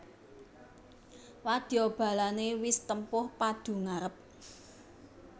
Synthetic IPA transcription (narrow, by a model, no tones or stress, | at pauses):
wad̪̥job̥a̤lanewɪst̪əmpʊhpad̪̥ṳŋaɾəp̚